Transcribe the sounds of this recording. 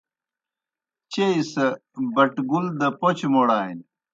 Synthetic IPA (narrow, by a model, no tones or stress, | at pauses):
t͡ɕeisɐbɐʈɡuld̪ɐpot͡ɕmoɽaːin